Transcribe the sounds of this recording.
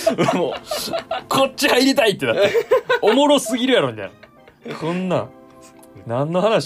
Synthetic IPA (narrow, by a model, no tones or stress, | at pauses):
moː | kʰott͡ɕːihaiɾit̪ait̪ːenaomoɾosɨɡʲiɾɯ̟jaɾo̞mit̪aj̰na | kõnːa | nãnːo̞hanaɕ